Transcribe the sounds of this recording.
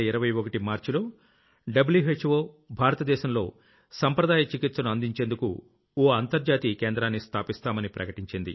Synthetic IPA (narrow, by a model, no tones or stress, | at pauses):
iɾɐʋɐjokɐʈimaːɾt͡ʃulo̞ː | ɖɐbljuɦet͡ʃʋo̞ː | bʱaːɾɐt̪ɐd̪ɛːʃɐmlo̞̰ː | sɐmpɾɐd̪aːjɐt͡ʃikit̪sɐnuɐnd̪iɲt͡ʃe̞ːnd̪uku | oːɐnt̪ɐɾd͡ʒaːt̪ikeːnd̪ɾaːnːist̪ʰaːpist̪aːmɐnipɾɐ̰kɐʈiɲt͡ʃind̪ḭ